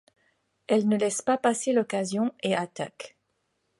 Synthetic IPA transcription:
ɛlnəlɛspapaselɔkazjɔ̃eat̪ak

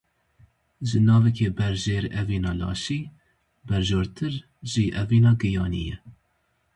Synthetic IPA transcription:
ʒɨnɑːvɛkʰeːbɛɾʒeːɾɛviːnɑːlɑ̰ːʃiː | bɛɾʒoːɾt̪ʰɨɾ | ʒiːʔɛviːnɑːɡɨjɑːnḭjɛ

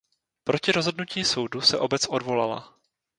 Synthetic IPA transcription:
pɾo̞cɪɾo̞zɦodnuciːso̞wdusɛʔo̞bɛt͡sʔodvo̞lala̰

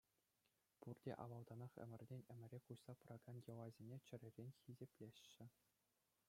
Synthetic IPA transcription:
purdʲḛʔɑ̰ʋɑlˠd̪ɑnɑχɘ̰̆mʲɘ̆rʲdʲenʲɘ̆mʲɘ̆ɾʲekuɕsɑprʔɑɡɑnjɤ̆lˠɑzʲenʲet͡ɕɘ̆ɾʲɘ̆rʲenʲxʲizʲepʲlʲeɕːɘ̆

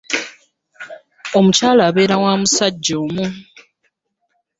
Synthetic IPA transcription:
o̞mucaːlaːβe̞ːɾawaːmusaɟːoːmu

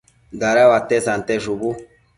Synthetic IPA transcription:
ɡaɾawat̪ɛsant̪ɛʃubu

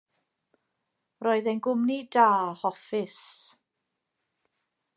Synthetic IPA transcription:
roːɨðejnɡʊmnidaːhɔfɪs

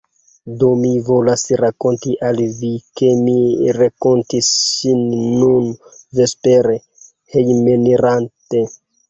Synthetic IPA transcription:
domivo̞lasɾako̞ntiʔalvike̞miɾakontisːinːunvespeɾe | hejmeneɾante

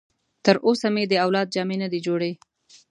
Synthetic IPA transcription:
t̪əɾʔosamed̪əawlɑd̪̚d͡ʒɑmenəd̪ed͡ʒoɽe

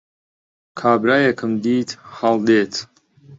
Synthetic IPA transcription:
kʰaːbɾajɛkʰɨmd̪iːtʰħald̪eːtʰ

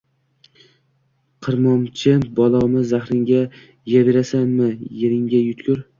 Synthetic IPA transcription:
qʰɨɾmɒmt͡ʃʰɪbɒlˠɒmɪzaχɾɪŋɡʲa | jabeɾasanmɪjeɾɪŋɡʲajʊt̪kʰʲʊɾ

